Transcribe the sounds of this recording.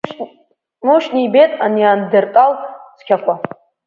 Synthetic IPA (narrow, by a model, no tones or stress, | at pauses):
muʃnibetʼaniaːndɨrtʼalt͡skʲʰakʷa